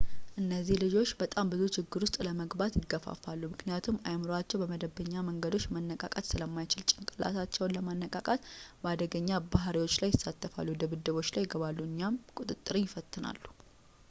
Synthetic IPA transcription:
ʔɨnːəzːihlɨd͡ʒo̞t͡ʃːbət̪ʼambɨzut͡ʃɪɡːɨɾwʊst̪ʼləməɡbat̪jɪɡːəfa̰falːumɨknijat̪ʰumajmɨɾoat͡ʃːɛwbəməd̪əbəɲːaməŋɡəd̪o̞t͡ʃːmənːəkʼa̰kʼat̪sɨləmːajt͡ʃɪlt͡ʃʼɪnkʼɨlːa̰sat͡ʃːɛwnləmanːəkʼakʼat̪bəad̪əɡəɲːabaɦɾiwo̞t͡ʃːlajːɪsːat̪ʰːəfa̰lːud̪əβɨd̪ːəβo̞t͡ʃːlajːɪɡəβalːuɨɲːjamkʼut̪ʼɨt̪ʼːɨɾijɪfət̪ːɨna̰lːu̥

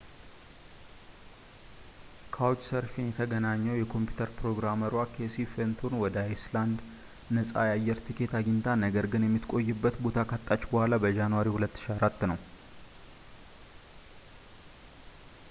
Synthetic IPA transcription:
kʰawt͡ʃːsəɾfinjɛt̪ʰəɡənaɲːɛwjɛkʰo̞mpju̥t̪ʰəɾpɾo̞ɡɾaməɾwakʰesifent̪ʰonwɔd̪əajsland̪ | nəsʼa̰jajːɛɾt̪ʰikʰe̞t̪ʰaɡint̪ʰanəɡəɾɡɨnjɛmːɨt̪kʼo̞jːɨbːət̪bo̞t̪ʰakʰat̪ʼːat͡ʃːbəhʷalabəd͡ʒanwaɾihulət̪ːɨ̥ʃiaɾat̪ːnəw

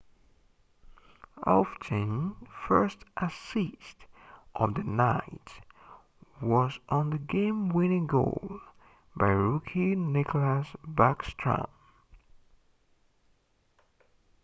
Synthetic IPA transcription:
ʔɔ̰ftʰɨ̃nfɜ˞stʔəsistʔʌvðɨnaɪt | wʌzn̩ðɨɡẽɪ̃mwɪ̃nɪ̃ŋɡo̰ʊlˠ | baɪɹukʰinɪkʰləsbækstʰɹ̥ə̰̃m

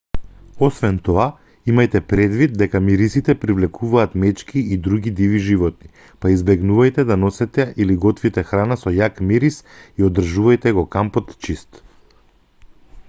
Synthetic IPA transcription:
ɔsvɛnt̪ɔa | imajt̪ɛpɾɛd̪vid̪̚d̪ɛkamiɾisit̪ɛpɾivlɛkʰuvaːt̪mɛt͡ʃkiid̪ɾuɡid̪iviʒivɔt̪̚ni | paizbɛɡnuvajt̪ɛd̪anɔsɛt̪ɛʔiliɡɔt̪vit̪ɛxɾanasɔjakmiɾisiod̪r̩ʒuvajt̪ɛɡɔkampɔt̪t͡ʃist̪

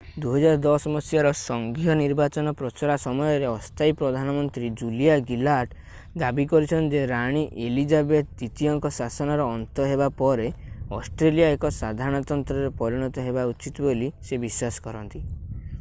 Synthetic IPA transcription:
d̪uɦɔd͡ʒaɾɔd̪ɔsmɔsjaɾɔsɔŋɡʱijɔniɾbat͡ʃɔnɔpɾɔt͡ʃɔɾasɔmɔjɔɾeɔst̪ʰajpɾɔd̪ʱanɔmɔnt̪ɾid͡ʒulijaɡilaʈ | d̪abikɔɾit͡ʃʰɔnt̪d͡ʒeɾaɽ̃iʔelid͡ʒabet̪̚t̪it̪ijɔŋkɔsasɔnɔɾɔːnt̪ɔɦebapɔɾeɔsʈɾelijaekɔsad̪ʱaɾɽ̃ɔt̪ɔnt̪ɾɔɾepɔɾiɽ̃ɔt̪ɔɦebaut͡ʃit̪ɔbolisebiswasɔ̥kɔɾɔnt̪i

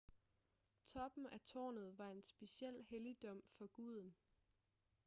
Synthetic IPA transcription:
t͡sʰɒ̽b̥n̩æt͡sʰɒ̰ːnð̞̩ˠʋɑ̈e̝nsb̥e̝ɕiel̰helid̥ɒ̽m̰fɒ̽ɡ̥uð̰ˠn̩

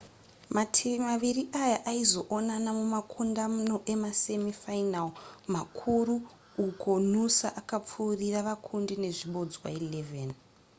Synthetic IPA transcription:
matʰiimaʋiriʔajaʔaizo̞ʔonanamumakʰundamuno̞ʔe̞mase̞mifainalmakʰuɾuː | kʰo̞n̤usa̰ʔakap͡fuːriraʋakʰundine̞ʐiɓo̞d͡zwa̰ile̞ven

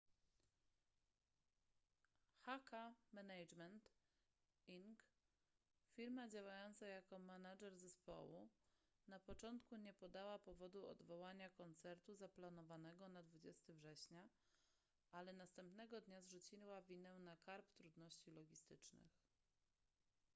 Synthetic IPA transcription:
xakamɛnajd͡ʐmɛnt̪ | iŋk | fʲiɾmad͡ʑawajɔnt̪sajakɔmanaʐɛɾzɛspɔ̰wunapɔt͡ʂɔnt̪kuɲɛpɔd̪awapɔvɔd̪uɔ̰d̪vɔwaɲakɔnt̪sɛɾt̪uzaplanɔvanɛɡɔnad̪vud͡ʑɛst̪ɘvʐɛɕɲa | ʔalɛnast̪ɛmpnɛɡɔd̪ɲazʐut͡ɕiwavʲinɛnakaɾpt̪ɾud̪nɔɕt͡ɕilɔɡʲist̪ɘt͡ʂnɘ̰x

